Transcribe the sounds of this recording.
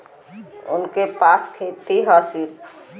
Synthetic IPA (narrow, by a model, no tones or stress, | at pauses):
ʊ̰nkepaskʰet̪iɦəsiɾ